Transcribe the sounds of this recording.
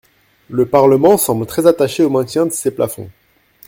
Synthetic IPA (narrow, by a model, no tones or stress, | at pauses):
ləpaʁləmɑ̃sɑ̃blt̪χɛzat̪aʃeomɛ̃t̪jɛ̃d̪əsepla̰fɔ̰̃